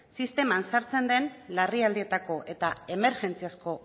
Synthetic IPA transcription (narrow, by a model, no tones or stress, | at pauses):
sist̪e̞mansaɾt͡se̞nd̪e̞nlariald̪ie̞t̪ako̞ʔe̞t̪ae̞me̞ɾʝe̞nt͡siasko̞